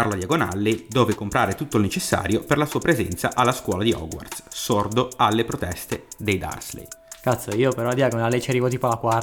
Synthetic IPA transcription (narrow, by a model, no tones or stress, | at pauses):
aɾlad̪jaɡona̰lːid̪ɔːvekompɾaːɾet̪ut̪ːoilnet͡ʃesːa̰ːɾjoperlasuːapɾezɛnt̪saʔalːaskwɔːlad̪iɔ̰ɡwa̰rd̪ssord̪oalːepɾot̪ɛst̪ed̪ejd̪a̰rslḛjkat̪sːoiːopeɾɔlad̪jaɡonalːet͡ʃeɾiːvot̪̬iːpolakwa